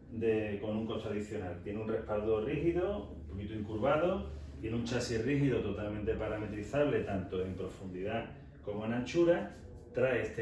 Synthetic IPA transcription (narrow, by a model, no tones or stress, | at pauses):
d̪eko̞nũŋko̞st̪aðiθjo̞nalt̪je̞nunrehpald̪orihiðoumpo̞kit̪oiŋkuɾβaðot̪je̞nũnt͡ʃasiriɦiðot̪o̞t̪almẽnt̪e̞paɾame̞t̪ɾiθaβle̞t̪ant̪oe̞mpɾo̞fund̪iða | ko̞mo̞enãnt͡ʃuɾa | t̪ɾaest̪e